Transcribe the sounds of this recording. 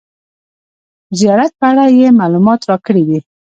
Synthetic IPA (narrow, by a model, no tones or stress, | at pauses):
zijɑɾat̪̚pəaɽajemalumɑt̪ɾɑkəɽid̪i